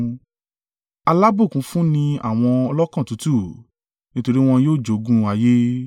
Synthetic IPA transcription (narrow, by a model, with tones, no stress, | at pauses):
a˧la˦bo˦˨kũ˨˦fũ˦nĩ˧a̰˦˨w̃ɔ̃˧ɔ˧lɔ˦kã˦˨tu˨˦tu˦˨ | nĩ˦to˧ɾi˦w̃ɔ̃˧joː˦˨d͡ʒo˨˦ɡũ˦a˧je˦